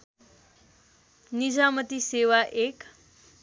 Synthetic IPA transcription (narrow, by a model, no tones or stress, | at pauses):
nid͡zamʌt̪isewaʔek